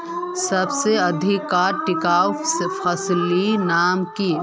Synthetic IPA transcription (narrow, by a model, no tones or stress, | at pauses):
sɐbseɐd̪ʱɪkːaːɾʈɪkaːwfʰɐslinaːmki